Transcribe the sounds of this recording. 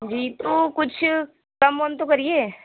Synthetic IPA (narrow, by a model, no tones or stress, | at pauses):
d͡ʒiːt̪oːkʊt͡ʃʰ | kɐmɦont̪õkɐɾieː